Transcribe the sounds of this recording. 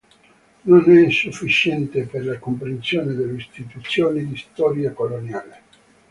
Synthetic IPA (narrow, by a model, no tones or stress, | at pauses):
nonɛinsufːit͡ʃɛnt̪eperlakompɾensjoːned̪elːeist̪it̪ut̪sːjoːnid̪ist̪ɔːɾjakolonjaːle